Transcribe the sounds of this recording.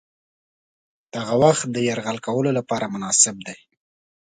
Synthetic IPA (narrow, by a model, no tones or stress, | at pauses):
d̪̥aɣawaxt̪̚d̪əjaɾɣalkawəlolapɑɾamʊnɑsɪb̚d̪aj